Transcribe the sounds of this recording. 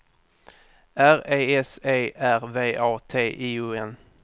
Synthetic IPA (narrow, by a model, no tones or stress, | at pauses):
æɾeːɛseːʔæɾveːʔɑːt̪ʰeːʔiɵːɛn